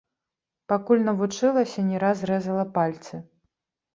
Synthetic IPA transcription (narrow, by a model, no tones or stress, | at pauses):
pakulʲnɐvut͡ʂɨlˠɐsʲɐnʲɛɾasɾɛzɐlˠɐpalʲt̪sɨ